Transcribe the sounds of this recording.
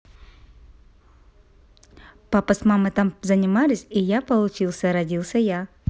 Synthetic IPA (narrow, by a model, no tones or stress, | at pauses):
papəsmamɨt̪amzənʲɪmalʲɪsʲijapəlˠʊt͡ɕilˠsʲəɾɐdʲilˠsʲəja